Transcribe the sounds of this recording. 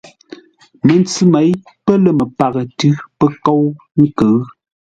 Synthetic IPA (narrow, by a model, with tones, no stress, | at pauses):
mə˨nt͡sʉ˦me˨˦j | pə˦lə˨mə˨pa˨ɣə˨tʉ˦pə˦ko˦w | ŋ̩˦kə˨˦